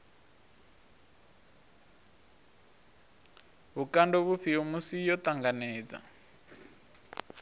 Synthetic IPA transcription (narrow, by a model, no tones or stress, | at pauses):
βukandɔβuɸiomusijɔt̪aŋɡanɛːd͡za̰